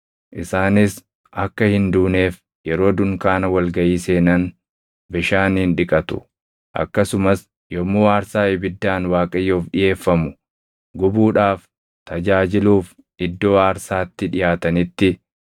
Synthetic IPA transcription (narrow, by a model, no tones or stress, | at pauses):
ʔɪsaːnɪs | ɐkːɐhɪnd̪uːne̞ːf | jɛɾo̞ːd̪ʊŋkaːnɐwɐlɡɐʔiːse̞ːnɐn | bɪʃaːnhɪnᶑɪkʼɐt̪ʊ̥̰ | ʔɐ̰kːɐsʊmɐs | jɔmoːaːɾsaːɪbɪd̪ːaːnwaːkʼɐjːoːfɗɪje̞ːfːɐmʊ | ɡʊbuːᶑaːf | t̪ɐd͡ʒaːd͡ʒɪluːf | ʔɪd̪ːo̞ːaːɾsaːt̪ːɪᶑɪjaːt̪ɐnɪt̪ːɪ